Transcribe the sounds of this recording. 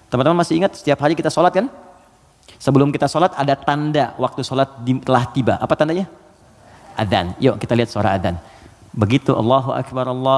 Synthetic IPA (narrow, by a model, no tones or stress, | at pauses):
t̪əmant̪əmanmasɪhiŋət̪̚sə̥t̪iapɦaɾikit̪asolat̪̚kan | səbəlʊmkit̪asolat̪adat̪andawʔak̚t̪usolat̪̚dilaht̪iba̰ʔapat̪andaɲa | ʔaða̰njokit̪aliɦat̪̚səa̰ɾa̰aða̰n | bəɡit̪uʔɑ̰lːɑɦuʔa̰kbaɾɑlːɑ